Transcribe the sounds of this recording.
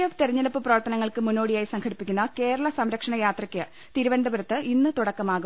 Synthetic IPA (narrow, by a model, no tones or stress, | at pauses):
ɐt̪erɐɲːɐlɐpːɨprɐʋɐrt̪ːɐnɐŋːɐɭkɨmunːo̞ːɽijaːjisɐŋkʰɐɽipːikʲːunːɐke̞ːɾɐɭɐsɐmɾɐkʂɐɳɐjaːt̪rɐkʲːɨ | t̪iɾubɐnd̪ɐbuɾɐt̪ːɨʔinːɨt̪uɽɐkːɐmaːɣu